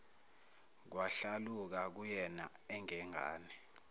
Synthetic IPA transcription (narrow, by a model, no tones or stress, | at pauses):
k̬waɬaluk̬ak̬ujɛna̰ɛŋɛŋʱa̰ːnɛ